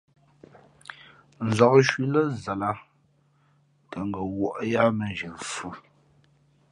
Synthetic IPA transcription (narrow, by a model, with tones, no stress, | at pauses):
n̩˨zɔ˨kʃwi˦lə˦zə˨la˦ | tə˨ŋ˦ɡə˨wɔ˦˨ʔja˦mə˨nʒə˨fu˦